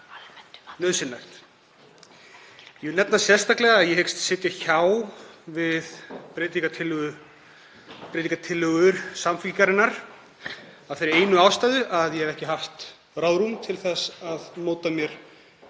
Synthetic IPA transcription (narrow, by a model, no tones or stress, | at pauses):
nœðsɪnːaxt̪ | jɛnɛt̪nasjɛ̥st̪aklɛɣaːðjɛhekst̪sɪt̪jaçawvɪðpɾɪːt̪iŋkat̪ʰɪlːʏɣʏ | pɾɪːt̪iŋkat̪ʰɪlːʏɣʏɾ̥samficaɾɪnːaɾ̥ | awfeːɾɪɾeːjnʏaːwst̪ajðʏʔaðjɛhɛvɛhcɪɦaft̪ | raːwðɾumt̪ʰɪlθɛsaðmoːwt̪amjɛɾ̥